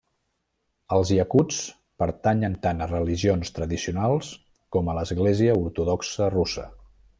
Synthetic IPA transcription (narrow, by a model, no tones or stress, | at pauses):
əlˠzjəkut͡s | pəɾt̪aɲənt̪anərəliʒionst̪ɾəðisiunalˠs | kɔmələzɣleziəuɾt̪uðɔksərusə̰